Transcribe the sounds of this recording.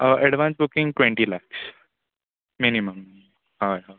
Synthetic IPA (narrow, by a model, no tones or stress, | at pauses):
əʔɛɽʋãnsbukɪ̃ŋɡʈwẽɳʈilaks | miniməm | hajɦa